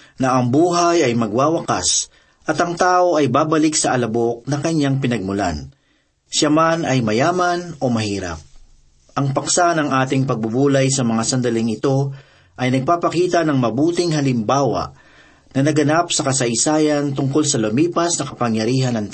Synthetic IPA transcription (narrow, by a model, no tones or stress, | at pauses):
nɐʔɐŋbuːɦajɐjmɐɡwaːwɐka̰s | ʔɐt̪ɐŋt̪aːʔo̞ʔɐjbaːbɐlɪksɐʔɐlɐbo̞k̚nɐŋkɐɲːaŋpɪnɐɡ̚mʊla̰n | ʃamanɐjmɐjaːmɐno̞mɐhiːɾɐ̰p̚ | ʔɐŋpɐksanɐŋʔaːt̪ɪŋpɐɡ̚bʊbuːlɐjsɐmɐŋasɐnd̪ɐlɪŋɪt̪o̞ | ʔɐjnɐɡ̚papɐkiːt̪ɐnɐŋmɐbuːt̪ɪŋɦɐlɪmbaːwɐ̰ | nɐnɐɡɐnapsɐkɐsɐʔɪsaːjɐnt̪ʊŋkolsɐlɐmiːpɐsnɐkɐpɐŋjɐɾiːɦɐnɐŋt̪